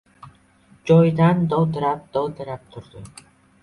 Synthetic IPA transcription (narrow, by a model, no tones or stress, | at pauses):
d͡ʒɒjd̪and̪ɒwd̪ɪɾap̚d̪ɒwd̪ɪɾap̚t̪ʰʊɾd̪ɪ